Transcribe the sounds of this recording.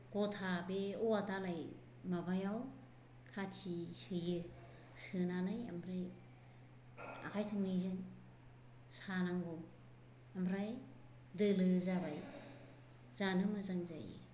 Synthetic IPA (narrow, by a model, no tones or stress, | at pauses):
ɡ̥ɔtʰabeɔatalaj | mabajaw | kʰat͡ʃisɯjɯ | sɯnanaja̰mɾaj | a̰kʰajtʰɯŋnizɯŋ | sanaŋɡɔ | amɾaj | dɯlɯzabaj | z̥anɯmazaŋza̰j̰